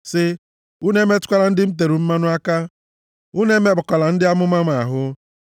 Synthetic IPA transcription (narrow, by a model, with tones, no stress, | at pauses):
sɪ˦ | u˦ne˦me˦tʊ̥˦kʷa˦la˨n̩˦dɪ˦m̩˦t̬e˨ɾu˨m̩˦ma˦nʊ˦a˦ka˦ | u˦ne˦me˦bʊ˨kɔ˨la˨n̩˦dɪ˦a˦mʊ˦ma˦ma˨ɦʊ˦